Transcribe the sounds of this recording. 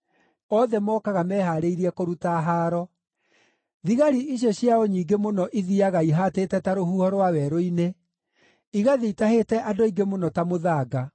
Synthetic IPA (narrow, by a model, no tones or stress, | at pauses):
ɔðɛmɔːkaɣamɛːɦaɾeiɾiɛkoɾutaɦaːɾɔ | ðiɣaɾiʔiɕ̬jɔɕjaɔɲiːɡemonɔʔiðiaɣaiɦateːtɛtaɾohuhɔɾwawɛɾoine | iɣaðeitahetɛʔadoiɡemonɔtamoðaːɡa